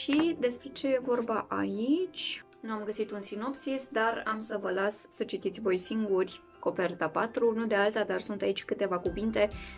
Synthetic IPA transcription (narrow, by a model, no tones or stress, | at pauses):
ʃid̪e̞spɾe̞t͡ʃe̞je̞vo̞rbaʔait͡ʃʲnuamɡəsit̪unsino̞psisd̪aramsəvəlasːət͡ʃit̪it̪sʲvo̞jsiŋɡurʲ | ko̞pe̞rt̪apat̪ɾunud̪ealt̪ad̪arsunt̪ait͡ʃʲkɨt̪e̞vakuvint̪e̞